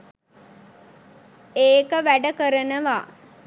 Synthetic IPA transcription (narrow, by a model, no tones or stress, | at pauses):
eːkəʋæɖəkəɾənəʋaː